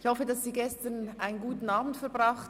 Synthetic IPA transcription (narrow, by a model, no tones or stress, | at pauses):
çhɔfədɑsːiːɡɛstənʔaɪnənɡuːtn̩ɑːbm̩tfɛɐbʁaχt